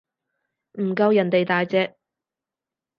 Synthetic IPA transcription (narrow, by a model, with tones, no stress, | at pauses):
m̩˨˩kɐ˧wjɐ˨˩nt̪e˨jt̪aː˨jt͡sɛː˧k̚